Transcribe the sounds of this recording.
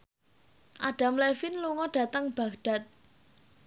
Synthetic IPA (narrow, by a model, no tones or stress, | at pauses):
ʔaɖ̥a̤mlɛfinluŋɔɖ̥ä̤t̪əŋb̥ä̤ɡd̥a̤t̪̚